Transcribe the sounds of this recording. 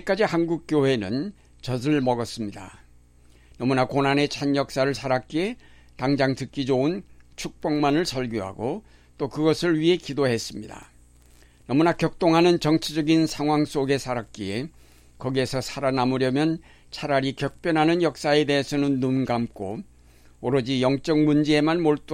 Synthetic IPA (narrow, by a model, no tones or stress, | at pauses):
k͈ad͡ʑihanɡuk̚k͈jowe̞nɯn | t͡ɕʌsɯɭmʌɡʌs͈ɯmɲida̰ | nʌmunakonɦane̞t͡ɕʰaɲjʌk̚s͈aɾɯɭsʰaɾak͈ie̞ | taŋd͡ʑaŋtɯk͈id͡ʑount͡ɕʰuk̚p͈ʌŋmanɯɭsʰʌɭɡjoɦa̰ɡo | t͈okɯɡʌsʰɯɭɥiɦe̞kidoɦe̞s͈ɯmɲida̰ | nʌmunakjʌk̚t͈oŋɦanɯnt͡ɕʌŋt͡ɕʰid͡ʑʌɡinsʰaŋɦwaŋs͈oɡe̞sʰaɾak̚k͈ie̞ | kʌɡie̞sʰʌsʰaɾanamuɾjʌmjʌn | t͡ɕʰaɾaɾikjʌk̚p͈jʌnɦanɯnjʌk̚s͈ae̞de̞ɦesʰʌnɯnːunɡamk͈o | oɾʌd͡ʑijʌŋt͡ɕ͈ʌŋmund͡ʑie̞manmoɭt͈u